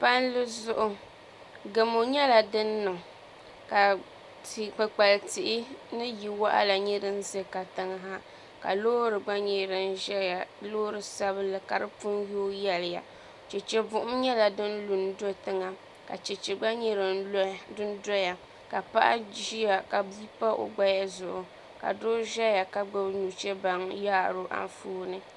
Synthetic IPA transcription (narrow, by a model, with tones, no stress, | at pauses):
pa˦n˦lɨ˦zʊ˦ʔʊ˦ | ɡe˨mo˨ɲɛ˦la˨dɨ˦nːɨ˨ŋ | ka˨ | k͡pɨ˨k͡pa˨lti˨ʔɪ˦nɨ˦ji˨wa˦ʔa̰˦la˨ɲɛ˦ɾɨ˦n̩˦ze˦˨ka˨tɨ˨ŋ˦ɦa˦ | ka̰˨loː˦ɾɨ˨ɡ͡ba˦ɲɛ˨ɾɨ˨n˦ʒɛ˦ja˨lo˦ɾɨ˨sa˦βɨ˦lɨ˨ka˨ɾɨ˦pu˦njoː˦jɛ˦lɪ˨ja̰˨ | t͡ʃɛ˨t͡ʃɛ˦bʊ˨ʔʊ˦mɲɛ˦la˨dɨ˦nlu˨n˦do˦tɨ˦ŋa˦˨ | ka̰˨t͡ʃɛ˨t͡ʃɛ˨ɡ͡ba˦ɲɛ˦ɾɨ˨n˦dɨ˦n˦dɔ˦ja˨ | ka˨pa˦ʔa̰˦ʒi˦ja˦˨ka˨bi˦pa˦ʔo̰˨ɡ͡ba˦ja˦zʊ˨ʔʊ˨ | ka̰˨do˦ʒɛ˦ja˨ka˨ɡ͡bɨ˦bnu˨t͡ʃɛ˦ba˦ŋjaː˦˨ɾo˦ʔa̰˦ɱ˦fuː˦nɨ˦